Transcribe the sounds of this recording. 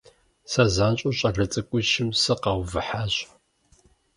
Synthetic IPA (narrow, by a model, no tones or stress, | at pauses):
sɐzaːnɕʼʊɕʼɐrɐt͡sʼɨkʷʼʊʃɪmsɨqɐwvɨħaːɕ